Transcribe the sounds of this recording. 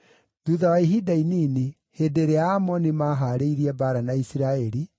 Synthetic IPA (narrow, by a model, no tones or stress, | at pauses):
d̥uðawaiɦidainine | hedeɾeaːmɔnimaɦaɾeiɾiɛbaːɾanaisiɾaɛɾi